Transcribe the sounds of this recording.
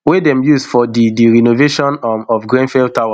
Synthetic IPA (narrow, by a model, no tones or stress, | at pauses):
wedɛ̃mjuzfɔdidiɹinoveʃɔ̃nɔfɡɹɛ̃nfɛl̚tawa